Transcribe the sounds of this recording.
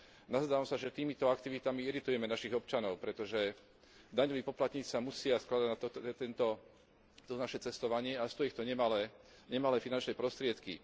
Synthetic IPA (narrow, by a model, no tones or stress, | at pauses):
nazd̪aːʋamsaʒɛt̪iːmit̪ɔakt̪iʋit̪amiiɾit̪ujɛmɛnaʃiɣɔpt͡ʃanɔʊpɾɛt̪ɔʒɛ | d̪aɲɔʋiːpɔplat̪ɲiːt͡ssamusɪasklad̪aɟnat̪ɔtɛt̪ɛnt̪ɔ | t̪ɔt̪ɔnaʃɛt͡sɛst̪ɔʋaɲɪɛast̪ɔjixt̪ɔɲɛmalɛ | ɲɛmalɛfinant͡ʃnɛpɾɔst̪ɾɪɛt̪kḭ